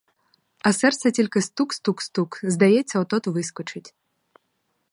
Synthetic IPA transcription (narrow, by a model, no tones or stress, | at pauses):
ɐsɛrt̪sɛtʲilʲkɪst̪ukst̪ukst̪ukzd̪ɐjɛt͡sʲːɐɔt̪ɔt̪ʊʋɪskɔt͡ʃɪtʲ